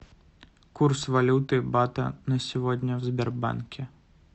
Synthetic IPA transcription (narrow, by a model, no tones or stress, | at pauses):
kursvalʲut̪ɨbat̪ɐ̰nɐsʲivɔd̪ʲnʲɐwzʲbʲɛrba̰nkʲɛ